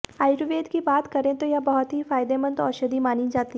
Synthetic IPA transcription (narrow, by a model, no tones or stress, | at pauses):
aːjɾuʋeːd̪kibaːt̪kɐɾẽt̪ojabɐɦʊt̪ɦifaːɪd̪emə̃nd̪ɔ̰ːɾʃɐd̪imaːnĩd͡ʒaːt̪iɦ